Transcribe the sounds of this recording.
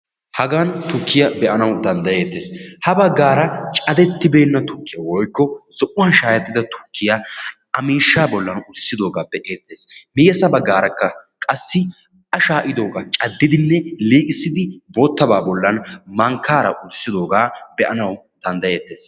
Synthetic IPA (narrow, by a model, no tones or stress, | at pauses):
hɐɡant̪ʊkʰːɪjɐbɛʔɐnɐwd̪ɐnd̪ɐje̞ːt̪ːe̞ːshɐbɐɡːaːɾɐt͡ʃʼɐd̪ɛt̪ːɪbe̞ːnːɐt̪ʊ̥kːɪjɐwɔjkːɔzɔʔʊwɐnʃaːjɐt̪ːɪd̪ɐt̪ʰʊ̥kʰːɪja | ɐmiːʃːaːbɔlːɐnʊd̪ɪsːɪd̪o̞ːɡaːbɛʔeːt̪ːe̞ːsmeːsɐbɐɡːaːɾɐkːɐkʼɐsːɪ | ʔɐʃaːʔɪd̪o̞ːɡaːt͡ʃʼɐd̪ːɪd̪ɪnːɛleːkʼɪsːɪd̪ɪbot̪ːɐbaːbɔlːɐnmɐŋkʰːaːɾɐ̰ʔʊd̪ɪsːɪd̪o̞ːɡaːbɛʔɐnɐw | d̪̥ɐnd̪ɐjeːt̪ːe̞ːs